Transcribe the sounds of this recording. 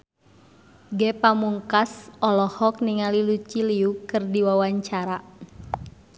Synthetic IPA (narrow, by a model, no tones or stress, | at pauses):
ɡɛpamuŋkasɔlɔhɔk̚niŋalilut͡ʃiliukɨrdiwawaɲt͡ʃaɾa